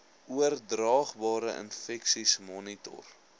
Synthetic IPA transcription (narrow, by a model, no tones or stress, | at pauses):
uərdrɑːχbɑːɾəʔə̰nfɛksismɔnitɔ̰r